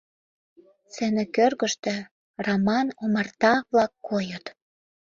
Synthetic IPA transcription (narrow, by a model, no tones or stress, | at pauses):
t͡senĕkørɣə̆ʃt̪ĕ | romɑnomɑrt̪ɑβlɑkːojət̪